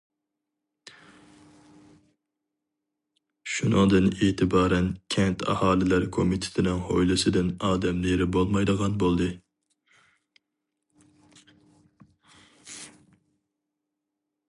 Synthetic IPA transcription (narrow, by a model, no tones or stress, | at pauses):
ʃunɨŋd̪ɨneːt̪ʰɪbɑːɾɛnkʲʰɛnt̪ʰɑ̰hɑːlˠɪlæɾkʰomit̪ʰɪ̥t̪ʰɪnɪŋho̰jlˠɨsɪd̪ɪnɑːd̪ɛmleɾɪbolˠmɑjd̪əʁɑnbolˠd̪ɨ